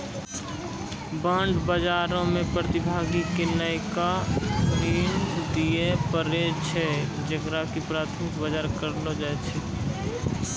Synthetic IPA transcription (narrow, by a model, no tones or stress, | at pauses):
bãːɳɖbəd͡ʒaːɾõmẽpɾət̪ɪbʱaːɡikenəɪkabɾiːnd̪iepəɾet͡ʃʰed͡ʒəɡɾakipɾaːt̪ʰmɪkbad͡ʒaːɾkəɾlod͡ʒat͡ʃʰi